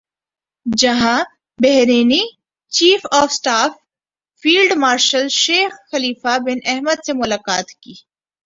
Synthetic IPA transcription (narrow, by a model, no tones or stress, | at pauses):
d͡ʒɐɦã | bɛɦɾeːni | t͡ʃiːfɔːfsʈaːfː | iːlɖmaːɾʃəlʃeːxxɐliːfabɪnɛɦməd̪semʊlaːkaːt̪kiː